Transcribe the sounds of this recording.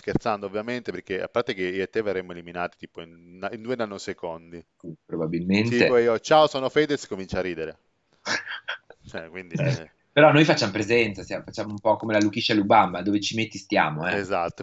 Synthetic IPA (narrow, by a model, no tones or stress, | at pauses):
skert̪sand̪oovːjament̪eperk̟ea̰pːart̪ek̟eiet̪ːeverːemːoeliminaːt̪i̥t̪iːpoinaind̪uːenanːosekond̪i | ipɾobabilmensiepɔiot͡ʃaosɔːnofɛːd̪eskomint͡ʃarːiːd̪eɾe | t͡ʃɛkwind̪iɛ | peɾɔnːojfat͡ʃːamopɾezɛnt̪sasjamfat͡ʃːaːmoumpɔkːomelalukiʃːalubamːad̪oːvet͡ʃimet̪ːist̪ja̰ːmoɛezat̪ːo